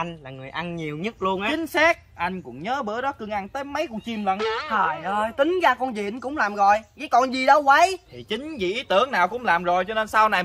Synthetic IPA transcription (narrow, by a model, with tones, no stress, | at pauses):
ʔa˧jŋ̟laː˨˩ŋɨ˨˩əjʔa˧nɲi˨˩əwɲə˦˥t̚lu˧ənʔa˨˧t͡ɕï˨˦ŋ̟sɛ˦˥k̚ʔa˧jŋ̟kʊ̰˧˥ŋ͡mɲəː˨˦ɓɨ̰˧˥əɗɔ˨˦kɨ˧˩əŋʔa˧ŋt̪əː˨˦jmə˨˦jkʊ˨˧˩t͡ɕi˨˩mlə̰˧˨nhʰɔː˨˩jʔəː˧jt̪ï˨˦ŋ̟ɣaː˧kɔ˧nzḭ˨nkʊ̰˧˥ŋ͡mlaː˨˩mɣɔ̰˨˩˨jɣa˨˦jkɔ˧˨nzi˨˩ɗə˨˦wwə˨˦jt̪ʰi˨˩t͡ɕï˨˦ŋ̟vḭ˨˩ʔi˨˦t̪ɨ˧˩əŋnaː˨˩wkʊ̰˧˥ŋ͡mlaː˨˩mzo˨˩jt͡ɕɔ˧ne˧nsa˧wna˨˩j